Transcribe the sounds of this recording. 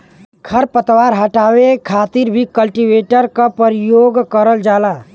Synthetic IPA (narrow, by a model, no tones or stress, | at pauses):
kʰəɾpət̪waːɾɦəʈaːwekʰaːt̪iɾbʱikəlʈiʋeːʈəɾkapəɾijoːɡkəɾəld͡ʒaːlaː